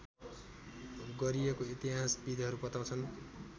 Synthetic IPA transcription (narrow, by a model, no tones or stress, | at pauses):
ɡʌɾiekoit̪iɦasbid̪ɦʌɾupʌt̪aw̃t͡sʰʌn